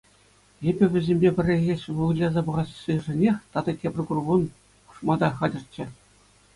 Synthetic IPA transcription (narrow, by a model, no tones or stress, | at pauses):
ebʲɘ̆ʋʲɘ̆zʲemʲbʲepʲɘ̆rʲːeɣʲeɕʋulˠlʲɑzɑbɤ̆ʁɑsɕɯʐɘ̆nʲexʲt̪ɑd̪ɑtʲebʲrʲkurbun | u̥ʂmɑd̪ɑχɑdʲɤ̆rt͡ɕːɘ̆